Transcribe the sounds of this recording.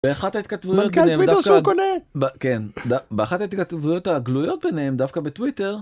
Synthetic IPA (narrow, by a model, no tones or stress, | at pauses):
beaχatait̪kat̪vujotelnemwidafkakonebkend̪abeaχatait̪̚kat̪vujo̞taɡlujo̞t̪̚benehemd̪afkabetwite̞ʁ